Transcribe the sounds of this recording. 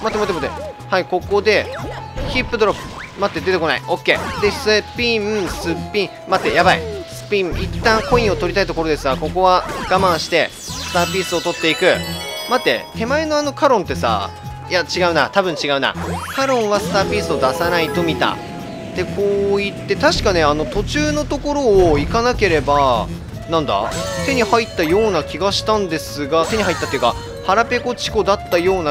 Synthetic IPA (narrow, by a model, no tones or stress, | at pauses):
mat̪ːemot̪et̪ːḛhaiko̞ko̞d̪e̞çipːɯ̟d̪oɾopɯ̥ | mat̪ːe̞d̪e̞t̪e̞ko̞naiʔo̞kːe̞̰ːd̪e̞sɨpʲimsɨpʲːĩ | mat̪ːe̞jabaḭsɨ̥pʲĩmit̪ːãŋko̞ĩɰ̃o̞t̪o̞ɾit̪ait̪o̞ko̞ɾo̞d̪e̞sɨɡako̞ko̞βaɡ̥amãɰ̃ɕi̥t̪e̞ | sɨ̥t̪aːpʲiːsɨo̞t̪o̞t̪ːe̞ikɯ̟mat̪ːe̞̰t̪e̞maeno̞ano̞kaɾõ̞nt̪ːe̞sa̰ː | jat͡ɕiɡaɯ̟nat̪abɯ̟̃ɲ̟t͡ɕiɡaɯ̟na̰kaɾõ̞ɰ̃βasɨ̥t̪aːpʲiːsɨo̞d̪asanait̪o̞mʲit̪a̰ | t̪e̞ko̞ːit̪ːe̞t̪aɕi̥kane̞ano̞t̪o̞t͡ɕɨːno̞t̪o̞ko̞ɾo̞ːikanake̞ɾe̞ba | nãnd̪a̰t̪e̞ɲ̟ihait̪ːajo̞ːnakʲiɡaɕi̥t̪ãnd̪e̞sɨɡat̪e̞ɲ̟ihɦait̪ːat̪ːeiɯ̟ka | haɾape̞ko̞t͡ɕi̥ko̞d̪at̪ːajo̞ːna